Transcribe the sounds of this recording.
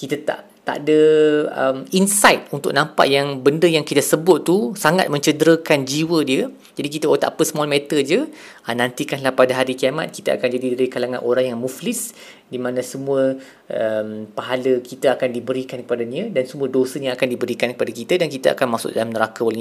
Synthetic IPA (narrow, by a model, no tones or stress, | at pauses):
kit̪at̪a̰ʔ | t̪a̰ʔdəə̰minsajt̪̚unt̪ʊ̰k̚nãmpa̰ʔjaŋbəndəjaŋkit̪əsəbʊt̪ːusaŋa̰t̪̚mə̃ɲt͡ʃədəɾəkand͡ʒiwədiə | d͡ʒadik̬it̪əot̪a̰ʔpəsəmɔlmet̪əd͡ʒə | ənãnt̪ikanlahpadaɦaɾikiama̰t̪̚ki̥t̪əa̰kand͡ʒadidaɾikalaŋãnʔoɾaŋjaŋmuflɪs | dimãnə̃səmũə | ʔəmpaɦaləkit̪əakandibəɾikankəpadaniədansəmũədosəɲaakandibəɾikankəpadakit̪ədankit̪əa̰kanmasʊ̰ʔ̚dalamnəɾakal